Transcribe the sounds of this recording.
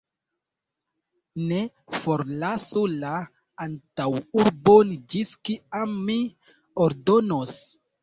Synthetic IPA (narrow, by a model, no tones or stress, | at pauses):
ne | foɾlasola | antawuɾbond͡ʒiskiamːi | oɾdonos